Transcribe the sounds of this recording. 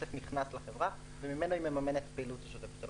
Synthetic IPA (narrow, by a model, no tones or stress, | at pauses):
sefniχnasleχevʁa | vemime̞noimemame̞net̪peːlutaʃot̪eksol